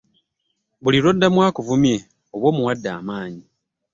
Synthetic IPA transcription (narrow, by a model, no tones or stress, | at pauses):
βuliɾo̞dːamwaːkuvumje̞ | o̞βwo̞ːmuwadːa̰ːmaːɲi